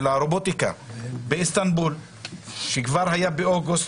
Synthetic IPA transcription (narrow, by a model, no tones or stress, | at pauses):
laɾobot̪ika̰beist̪anbul | ʃekvaɾhajabeoɡust̪